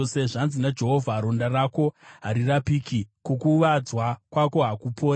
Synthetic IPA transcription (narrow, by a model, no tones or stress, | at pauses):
oseʐanzinad͡ʒe̞ɦo̞vʱaɾo̞ndarako̞ɦaɾirapiːkʰikokuʋad͡zwakwako̞ɦakupʰo̞ːa